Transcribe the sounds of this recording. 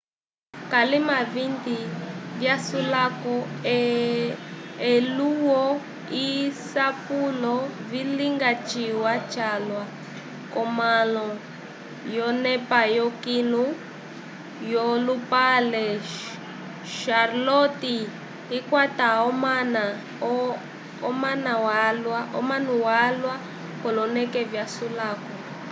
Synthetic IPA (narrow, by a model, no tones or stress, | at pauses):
kalimavind̪ivjasulakɔ | ɛluwɔ | isapulɔviliŋɡat͡ʃiwat͡ʃalwa | kɔmalɔ | jɔnɛpajɔkinu | jɔlupalɛ | ʃarlɔti | ikwataɔmana | ɔmanawalwaɔ̰manuwalwa | kɔlɔnɛkɛvjasulaːkɔ